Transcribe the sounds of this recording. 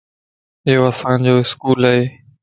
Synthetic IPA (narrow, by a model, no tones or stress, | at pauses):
ɪɦoːəsãːnd͡ʑoːɪskuːləɦeː